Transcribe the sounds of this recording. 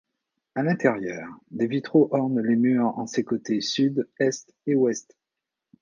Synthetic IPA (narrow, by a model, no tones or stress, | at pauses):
alɛ̃t̪ɛʁjœːʁd̪evit̪χoʔɔʁnlemyʁɑ̰̃sekot̪esyd̪ɛst̪ewɛst̪